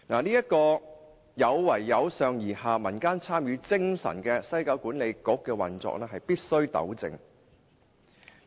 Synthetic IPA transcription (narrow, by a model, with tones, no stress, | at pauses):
naː˨˩liː˥jɐ˥t̚kɔː˧ | jɐ˨˧wːɐ˨˩jːɐ˨˧wsœː˨˧ŋjiː˨˩haː˨mɐ˨˩nkaː˥nt͡sʰaː˥mjyː˨˧t͡sɪ˥ŋsɐ̰˨˩nkɛː˧sɐ˥jkaː˧wkuː˨˥nle˨˧jkʊ˨˥kːɛː˧wɐ̰˨˩nt͡sɔ̰ː˧k̚lɛː˥ɦɐ˨jpiː˥t̚sɵ˥ɥt̪ɐ̰˨˥wt͡sɪ̰˧ŋ